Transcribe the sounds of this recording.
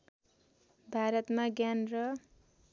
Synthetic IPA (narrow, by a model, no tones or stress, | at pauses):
bʱaɾʌt̪maɡjanrʌ